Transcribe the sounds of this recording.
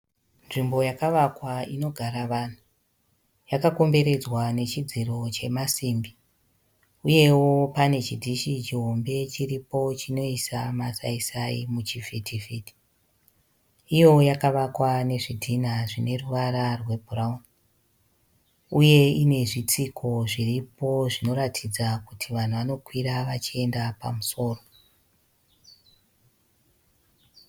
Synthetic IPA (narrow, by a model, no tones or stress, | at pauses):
nʐimbo̞jakaʋakwaino̞ɡʱaɾaʋan̤u | jakako̞mbe̞ɾe̞d͡zwane̞t͡ʃid͡ziɾo̞t͡ʃe̞masiːmbi | uje̞wo̞pane̞t͡ʃidʱiʃit͡ʃiɦo̞mbe̞t͡ʃiripo̞t͡ʃino̞isamasaisaimut͡ʃifitʰifiti̥ | ijo̞jakaʋakwane̞ʐidʱinaʐine̞ruʋaɾarwe̞bʱuraun | uje̞ine̞ʐit͡sikʰo̞ʐiripo̞ʐino̞ɾatʰid͡zakutʰiʋan̤uʋano̞kwiɾaʋat͡ʃie̞ndapa̰muso̞ːro̞